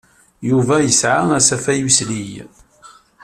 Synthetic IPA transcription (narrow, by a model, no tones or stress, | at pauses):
juvæjəsʕaæsæfæjuslij